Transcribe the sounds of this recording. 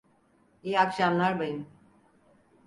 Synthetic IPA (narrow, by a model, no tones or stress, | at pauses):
eːakʃamlˠaɾbajɯm